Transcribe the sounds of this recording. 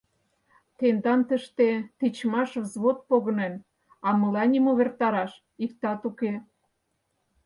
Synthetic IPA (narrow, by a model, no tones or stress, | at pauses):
t̪end̪ɑnt̪ə̆ʃt̪et̪it͡ɕmɑʃvzβot̪̚poɣə̆nen | ɑmə̆lɑnʲimoβert̪ɑɾɑʃ | ikt̪ɑt̪uke